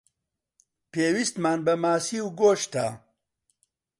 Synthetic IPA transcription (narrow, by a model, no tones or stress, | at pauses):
peːwist̪maːnbɐmaːsiːwɡoːʃt̪ʰa̰ː